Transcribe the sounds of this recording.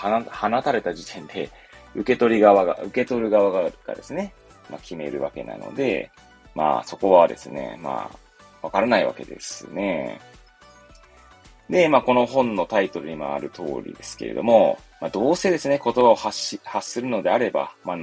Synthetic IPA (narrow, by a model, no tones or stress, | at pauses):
anahanat̪aɾe̞t̪aʑit̪ʰẽ̞nd̪e̞ | ɯ̟ke̞t̪o̞ɾʲiɡaβaɡa̰ʔɯ̟ke̞t̪o̞ɾɯ̟ɡaβaɡaɾɯka̰d̪e̞sɨne̞ | makʲime̞̰ɾɯ̟βake̞̰na̰no̞̰d̪e̞̰ | ma̰ːso̞ko̞βad̪e̞̰sɨne̞̰ma̰ː | βakaɾanaiβa̰ke̞̰d̪e̞̰sɨne̞ | d̪e̞maːko̞no̞ɦõ̞nːo̞t̪ait̪o̞ɾɯ̟ɲ̟ima̰a̰ɾɯ̟t̪ʰo̞̰ːɾʲḭd̪e̞sɨ̥ke̞ɾe̞̰d̪o̞̰mo̞ | mad̪o̞ːse̞d̪e̞sɨneko̞t̪o̞bao̞haɕihasɨɾɯ̟no̞d̪e̞aɾe̞ba̰ma